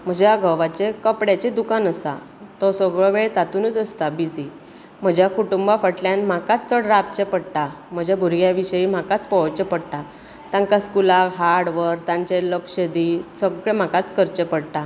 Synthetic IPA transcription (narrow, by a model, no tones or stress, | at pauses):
m̤əd͡ʑjaɡʱəʋat͡ɕekəpɽjat͡ɕed̪ukanəsa̰ | t̪ɔsəɡɭɔʋeɭt̪at̪uːnət͡səst̪abid͡zi | m̤əd͡ʑʱjakuʈumbafəʈljãnm̤akat͡st͡səɽɾaap̚t͡ɕepəɽʈ̪a | m̤əd͡ʑʱabʱuɾɡjaʋiɕəiːm̤akat͡spət͡ɕepəɽʈ̪a | t̪jãŋkaskulakɦaɽʋəɾt̪ãɲt͡ɕeləkɕəd̪isəɡɭem̤akat͡skəɾt͡ɕepəɽʈ̪a